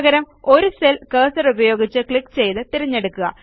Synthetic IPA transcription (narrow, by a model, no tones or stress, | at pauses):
ɣɐɾɐm | o̞ɾuselkɐːsɐrubɐjo̞ːɡit͡ɕːɨkɭikːt͡ɕe̞jt̪ɨt̪iɾɐɲːe̞ɽukːuɣɐ̰